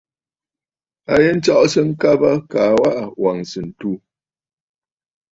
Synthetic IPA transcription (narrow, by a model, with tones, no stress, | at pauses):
a˦je˦n̩˦t͡ʃɔ˦ʔsɨ˦ŋ̩˦ka˦ba˦ka˨˦wa˦ʔa˨wa˨ŋsɨ˨n̩˨tu˦˨